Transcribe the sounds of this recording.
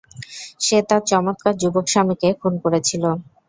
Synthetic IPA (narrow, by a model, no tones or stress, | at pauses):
ʃet̪aɾt͡ɕɔmot̪kaɾd͡ʑubokʃamikekʰunkoɾet͡ɕʰilo